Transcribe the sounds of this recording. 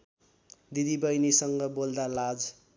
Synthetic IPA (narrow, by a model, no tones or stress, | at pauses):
d̪id̪ibʌjnisʌŋɡʌbold̪alad͡z